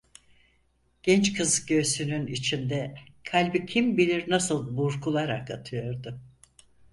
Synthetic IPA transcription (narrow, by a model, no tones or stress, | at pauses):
ɟ̥ɛnt͡ʃkʰɯzɟøsynynit͡ʃʰind̪ɛkʰalʲbicʰimbilʲiɾnasɯlˠbuɾkʰulˠaɾakat̪ʰɯjo̞ɾd̪ʊ